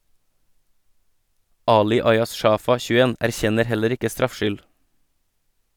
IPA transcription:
ˈɑːlɪ ˈɑɪɑs ˈʃɑːfɑ çʉˈeːn æɾˈçɛnəɾ ˈhɛləɾ ˈɪkə ˈstɾɑfˌʃʏl

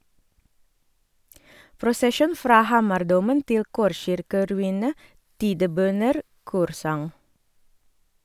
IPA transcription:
pɾʊsəˈʃuːn ˈfɾɑː ˈhɑːmɑɾˌduːmən ˈtɪl ˈkɔɾˌʃɪɾkəɾʉˌiːnə ˈtiːdəˌbœnəɾ ˈkuːɾˌsɑŋ

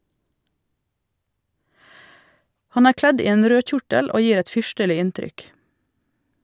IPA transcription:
ˈhɑn ˈæːɾ ˈklɛd ˈiː ˈeːn ˈɾøː ˈçʊʈəl ˈoː ˈjiːɾ ˈɛt ˈfʏʃtəlɪ ˈɪntɾʏk

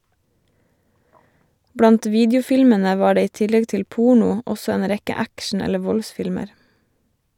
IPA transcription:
ˈbɽɑnt ˈʋiːdjʊˌfɪlmənə ˈʋɑː ˈɖeː ˈiː ˈtɪlɛɡ ˈtɪl ˈpʊɳʊ ˈɔsɔ ˈeːn ˈɾɛkə ˈækʃɳ̩ ˈɛlə ˈʋɔlˌsfɪlməɾ

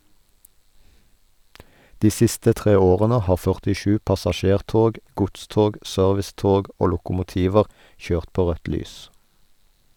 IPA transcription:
ˈdiː ˈsɪstə ˈtʁeː ˈoːʁənə ˈhɑː fœʁtɪˈʃʉː pɑsɑˈʃeːʁˌtoːɡ ˈɡʊtˌstoːɡ ˈsœʁʋɪˌstoːɡ ˈoː lʊkʊmʊˈtiːʋəʁ ˈçøːʁt ˈpoː ˈʁœt ˈlyːs

